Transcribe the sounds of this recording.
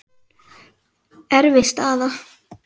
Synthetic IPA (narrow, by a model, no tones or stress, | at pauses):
ɛɾvɪst̪aːða